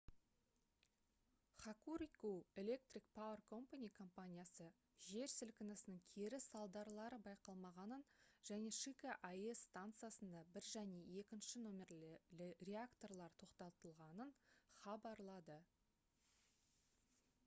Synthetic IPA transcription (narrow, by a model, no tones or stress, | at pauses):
χɑkuɾikue̞le̞k̚t̪rik̚pʰawerkʰo̞mpanʲijkʰo̞mpanʲijasə | ʒe̞ɾsɪlkʲɪnɪsɪnɪŋkʲʰe̞ɾɪsɑlˠd̪ɑɾlˠɑɾəbɑjqɑlˠmɑʁɑnənʒæne̞ʃikaʔaesːt̪ant̪sɨjasənd̪ɑbɪɾʒæne̞e̞kʲɪnʃɪnomʲe̞rlrʲe̞akt̪o̞rlˠɑɾt̪ʰo̞qt̪ɑt̪əlˠʁɑnənχɑbɑɾlˠɑd̪ə